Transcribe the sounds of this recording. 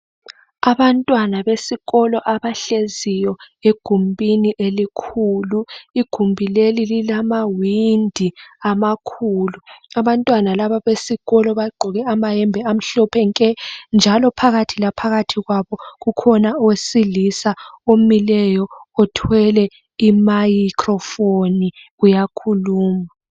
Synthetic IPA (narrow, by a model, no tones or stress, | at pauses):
aβantʼwanaβesiɣɔlɔʔaβaɬezijɔ | eɡ̥ʱumbʼiniʔelikʰuluiɡ̥ʱumbʱilelililamawindʱiamakʰuːluaβantʼwanalaβaβesiɣ̥ɔlɔβaɡ͡ǃʱɔɣɛamajɛmbʱɛam̩ɬɔpʰɛŋkʼɛnd͡ʒʱalɔpʰaɣatʰilapʰaɣatʰiɣwaβɔɣukʰɔnawesilisaomilɛjɔɔtʰwɛlɛ | imajikʼrɔfoniɣujakʰuluːma